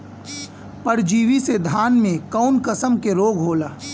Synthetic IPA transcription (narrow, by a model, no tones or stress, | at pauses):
pɐɾd͡ʒiːʋised̪ʱaːnmẽkaʊnkəsəmkeɾoːɡɦoːlaː